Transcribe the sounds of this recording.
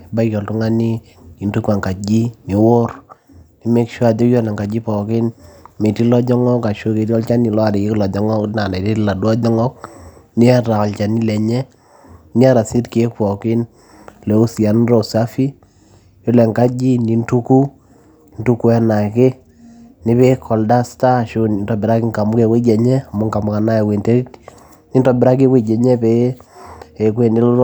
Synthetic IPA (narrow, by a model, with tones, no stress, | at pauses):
ba˦jɔ˨ltʊ˦ŋa˦ni˦ | i˨ntu˦ka˨ŋka˨d͡ʒi˦ni˨wo˦r | ni˨me˦kʃwa˦˨tɔ˦jɔ˦na˨ŋɡa˨d͡ʒi˦pɔ˨kɪ˦nme˨ti˦lɔ˦d͡ʒɔ˦ŋɔ˦ka˨ʃo˦ke˨tɔ˦lt͡ʃa˦ni˨lɔ˦a˨dɪ˨kɪ˦klɔ˨d͡ʒɔ˦ŋɔ˦na˨na˨ti˦tla˨dwa˦d͡ʒɔ˦ŋɔ˦kni˦ɛ˦ɾa˨ɔ˨lt͡ʃa˨ni˦lɛ˨ɲɛ˦ | nɪ˦ɛ˦ɾa˨sɪ˦tke˦k̚pɔ˨kɪ˦n | lɛ˨u˦si˨a˨n˦rɔ˦˨sa˦fi˦ | jo˦lɛ˨ŋka˦d͡ʒi˦ni˨ntu˦ku˦ | ntu˦ku˦ɛ˦na˨kɪ˦ | nɪ˦βe˦kʰɔ˨lda˦sta˦ʃʊnɪ˨ntɔ˨bɪ˨ɾa˦kɪ˦ŋka˨mʊ˦ke˨we˦d͡ʒɛ˨ɲɛ˦a˨mʊ˦ŋka˨mʊ˨ka˨na˦ɛ˨we˨nte˦ɾi˦t | ni˦ntɔ˨bɪɾa˦k̬i˦we˦˨d͡ʒɛ˨ɲɛ˦pe˦ | e˨kwe˦nɪ˦l